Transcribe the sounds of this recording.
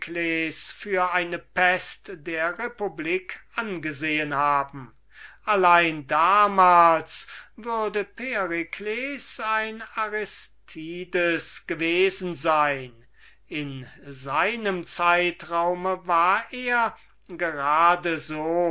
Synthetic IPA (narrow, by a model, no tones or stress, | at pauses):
kleːsfyːɐʔaɪnəpɛstd̥eːɐʁepubliːkʰʔanɡəzeːənhaːbm̩ | ʔalaɪndaːmaːlsvʏɐdəpeʁikʰlesaɪnaʁɛstʰiːdəsɡ̥əveːzn̩zaɪn | ɪnzaɪnəmt͡saɪtʁaʊməvaːɐʔeːɐ | ɡəʁaːdəzoː